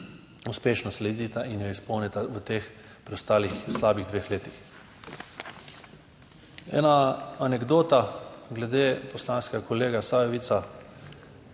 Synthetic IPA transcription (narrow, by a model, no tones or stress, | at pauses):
uspeːʃnɔslɛd̪it̪ainjɔispɔwnɛt̪aut̪eːx | pɾɛwst̪aːlixslaːbiɣd̪ʋeːxleːt̪ix | ɛ̰ːnaanɛɡd̪oːt̪aɡlɛd̪eːpɔslaːnskɛɡakɔleːɡasaːjɛʋit̪sa